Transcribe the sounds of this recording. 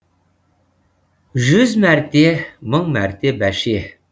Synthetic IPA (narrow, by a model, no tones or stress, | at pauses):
ʒʏzmæɾt̪eməŋmæɾt̪ebæʃe